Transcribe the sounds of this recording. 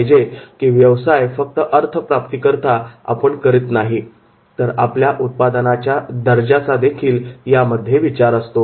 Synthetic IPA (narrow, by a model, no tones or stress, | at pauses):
d͡ʑekiːʋjəʋsajfək̚t̪əʔəɾt̪ʰəpɾap̚t̪ikəɾt̪aa̰pəɳkəɾiːt̪naɦi | t̪əɾapljaʔut̪̚pad̪ənat͡ɕjad̪əɾd͡ʑat͡sad̪ekʰiːljaməd̪ʱːjeʋit͡ɕaɾəst̪o